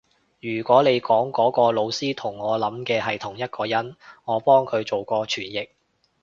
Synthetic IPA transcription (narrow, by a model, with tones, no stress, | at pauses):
jyː˨˩kʷɔː˨˥le˨˧jkɔː˨˥ŋkɔː˨˥kɔː˧lo˨˧wsiː˥t̪ʰʊ˨˩ŋːɔː˨˧lɐ˨˥mkɛː˧hɦɐ˨jt̪ʰʊ˨˩ŋjɐ˥t̚kʰɔː˧jɐ˨˥nŋɔː˨˧pɔː˥ŋkʰɵ˨˧t͡so˨wkɔː˧t͡ʃʰyː˨˩njɪ˨k̚